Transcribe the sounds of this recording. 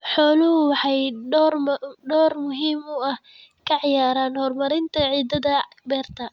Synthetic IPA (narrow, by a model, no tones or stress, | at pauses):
ħɔːlʊɦʊwɑħɑjɔrɖɔːrmʊɦiːmʊɐh | kʰɐʕɪjaːɾaːnhɔrmɐɾɪnt̪ʰɐʕiːd̪ɐðɐ | bɛːrt̪ʰɐ